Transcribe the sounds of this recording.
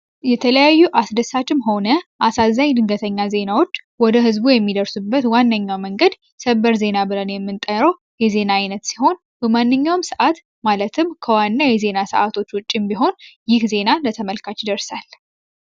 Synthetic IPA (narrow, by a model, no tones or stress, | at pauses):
jɛt̪ʰələjajːuʔasd̪əsat͡ʃʼɪmɦo̞nəʔasazːaɲd̪ɨŋɡət̪ʰəɲːaze̞nawo̞t͡ʃːwɔd̪əɦɨzbujɛmːid̪əɾsubːət̪wanːəɲːawməŋɡəd̪ | səbəɾze̞nabɨlənjɛmːɨnt̪ʼəɾəw | jɛze̞naajnət̪siho̞n | bəmanːɨɲːawmsəʔat̪ | malət̪ʰɨmkʰəwanːajɛze̞nasə̰ʔat̪ʰo̞t͡ʃːwʊt͡ʃʼːɪmbiɦo̞njɪhze̞nalət̪ʰəməlkʰat͡ʃːɪd̪əɾsal